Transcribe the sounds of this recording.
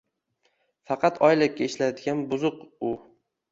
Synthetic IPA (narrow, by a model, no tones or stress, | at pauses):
fɑqʰɑt̪ʰɒjlɪkʲːaɪʃlajd̪ɪɡʲanbʊzʊqʊ